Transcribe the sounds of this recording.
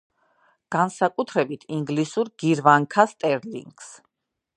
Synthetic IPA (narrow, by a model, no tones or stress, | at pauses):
ɡ̥ansakʼut̪ʰɾɛbit̪ʰiŋɡlisuɾɡ̥iɾvaŋkʰast̪ʼɛɾlḭŋɡs